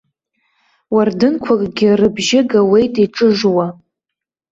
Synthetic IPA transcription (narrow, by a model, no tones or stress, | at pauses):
wardɨnkʷʰakʼɡʲɪrɨbʒɪɡawe̞jtʼiʈ͡ʂʼɨʐwa